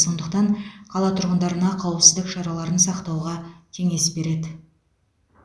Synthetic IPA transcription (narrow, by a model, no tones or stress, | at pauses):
so̞nd̪əq̚t̪ɑɴqʰɑlˠɑt̪ʰʊɾʁənd̪ɑɾənɑqʰɑwəpsəzd̪ɪkʃɑɾɑlˠɑɾənsɑqt̪ɑwʁɑkʲʰe̞ŋe̞sbe̞ɾe̞d̪ɪ